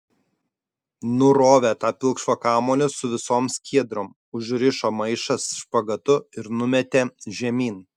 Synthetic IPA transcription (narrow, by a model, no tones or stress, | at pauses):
nʊɾoːʋʲeːt̪ɑːpʲɪlˠˑkʃʋokɑːmoːlʲɪsʊʋʲɪsoːmsʲkʲiɛd̪ɾoːm | ʊʒɾʲɪʃoːmɐɪʃɐsʃpɐɡɐt̪ʊɪɾnʊmʲɛt̪ʲeːʒʲɛmʲiːn